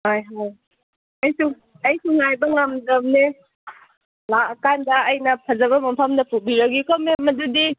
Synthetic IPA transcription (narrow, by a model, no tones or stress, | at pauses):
hajɦaj | ɐjsu | ɐjsuŋajbɐŋamdɐmne | lakandɐːjnɐpʰɐzɐβɐmɐmpʰɐmdɐpʰubiɾaɡikɔmemɐdudi